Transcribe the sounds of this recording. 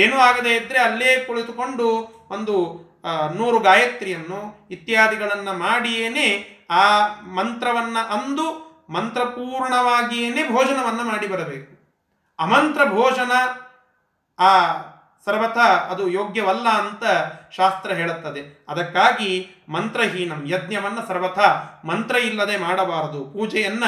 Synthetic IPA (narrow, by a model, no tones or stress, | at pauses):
eːnuaːɡɐd̪eːid̪ɾeɐlːeːkoɭit̪ukoɳɖu | ʔond̪u | nuːɾuɡaːjɐt̪ɾijɐnːuit̪ːjaːd̪iɡɐɭɐnːɐmaːɽijeːneaːmɐnt̪ɾɐʋɐnːɐʔɐnd̪u | mɐnt̪ɾɐpuːɾɳɐʋaːɡijeːnebʱɔːd͡ʒɐnɐʋɐnːɐmaːɽibɐɾɐbeːku | ɐmɐnt̪ɾɐbʱɔːd͡ʒɐnɐ | aː | sɐɾʋɐt̪ʰɐɐd̪ujoːɡjɐʋɐlːɐːnt̪ɐʃaːst̪ɾɐɦeːɭut̪ːɐd̪eɐd̪ɐkːaːɡi | mɐnt̪ɾɐɦiːɳɐmjɐd̪njɐʋɐnːɐsɐɾʋɐt̪ʰɐmɐnt̪ɾɐilːɐd̪emaːɽɐbaːɾɐd̪upuːd͡ʒɛjɐnːɐ